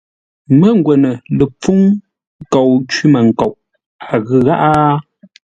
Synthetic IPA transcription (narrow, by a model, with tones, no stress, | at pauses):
mə˦ŋ˦ɡwɛ˨nə˨lə˨p͡fu˦ŋ˦ | ko˨wt͡ʃwi˦mə˨ŋ̩˨ko˨wʔ | a˨ɣʉ˦ɣa˦ʔa˦